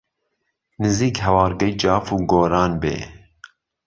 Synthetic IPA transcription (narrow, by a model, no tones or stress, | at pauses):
nɨziːkɦɛwɑːɾɡɛjd͡ʒɑːfuːɡoːɾɑːnbḛː